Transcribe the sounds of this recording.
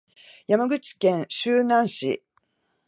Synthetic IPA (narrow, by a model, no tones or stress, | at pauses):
jamaɡɯ̟t͡ɕi̥kẽ̞ɰ̃ɕɨːnãɰ̃ɕḭ